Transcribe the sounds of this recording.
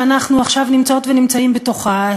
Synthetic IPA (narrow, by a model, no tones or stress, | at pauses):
anaχnuaχʃavnimt͡sao̞t̪venimt͡saimbet̪oχa